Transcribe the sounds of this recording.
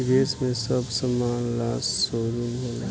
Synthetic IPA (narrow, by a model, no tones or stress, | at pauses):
ɾeːsmẽsɐbsɐmaːnlaːsːoːɾumɪl